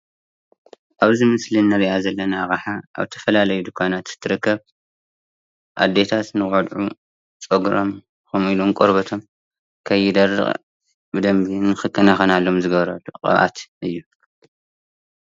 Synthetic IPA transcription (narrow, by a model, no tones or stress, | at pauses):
ʔaβzimɨslinːɨɾiʔazɐlːɐnaɣaħaʔa̰βt̪ʰɐ̥fɐlalɐjud̪ɨkʷʰanat̪z̥ɨ̥t̪ʰɨɾɨkːɐβ | ʔa̰d̪ːe̞t̪ʰat̪nɨkʼod̪ʕu | t͡sʼoɡɾom | komilumkʼoɾbɐt̪ʰo̞m | kʰɐjɪd̪ɐrːɨ̰χʼ | bɨd̪ɐmbinɨxɨkʰʼːɐnaxɐnalːo̞mzɨɡɐβɾɐd̪uqʼɐ̰βʔa̰t̪ʔɨjːu